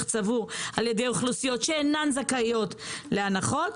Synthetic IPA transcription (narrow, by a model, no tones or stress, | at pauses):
χt͡savuʁaljedejuχlusijo̞tʃeːnanzakaijo̞tleanaχo̞t